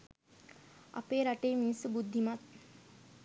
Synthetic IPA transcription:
a̰peːɾaʈeːminisəbud̪ʱːimat̪̚

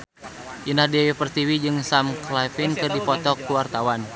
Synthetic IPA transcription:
ʔinahdɛwipərt̪iwid͡ʒɨŋsamklafinkɨrdipɔt̪ɔkːuwart̪awan

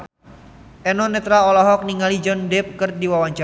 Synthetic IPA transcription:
ʔɛnɔnɛt̪ɾaɔlaɦɔk̚niŋalid͡ʒɔndɛp̚kɨrdiwawaɲt͡ʃa

